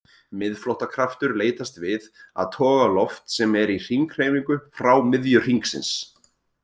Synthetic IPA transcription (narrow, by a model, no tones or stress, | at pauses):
mɪðflɔwht̪akʰɾaft̪ʏɾleːjt̪ast̪vɪða̰ðt̪ʰɔːɣalɔft̪sɛmɛɾir̥iŋkr̥eːjmiŋkʏfɾawmɪðjʏr̥iŋksɪ̰ns